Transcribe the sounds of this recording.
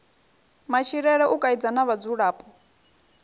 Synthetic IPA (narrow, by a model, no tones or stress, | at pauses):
mat͡ʃʰiɺɛɺɛʔukʼaid͡zanaβad͡zuɺaːpʼɔ